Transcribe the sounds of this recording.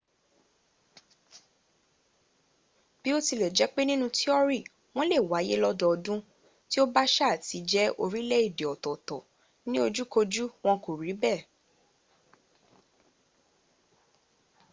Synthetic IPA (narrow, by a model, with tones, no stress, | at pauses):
b̥i˨˦o˦ti˧lɛ˨d͡ʒɛ˨˦k͡pe˦nĩ˦nũ˦˧ti˦ɔ˦ɾi˦˨ | w̃ɔ̃˦le˦˨wa˨˦je˦lɔ˦dɔ˧ɔ˧dũ˦ | ti˦o˦ba˦ʃa˦˨ti˨˦d͡ʒɛ˦o˧ɾĩ˦lɛ˦i˦˨de˨ɔ˨tɔ˨tɔ˨ | nĩ˦o˧d͡ʒu˦ko˧d͡ʒu˦w̃ɔ̃˧ko˨ɾi˨˦bɛ˦˨